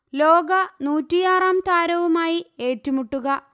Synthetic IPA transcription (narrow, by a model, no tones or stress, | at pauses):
lo̞ːɡɐnuːtːijaːraːmt̪aːɾɐʋumaːjie̞ːtːumuʈːuɣɐ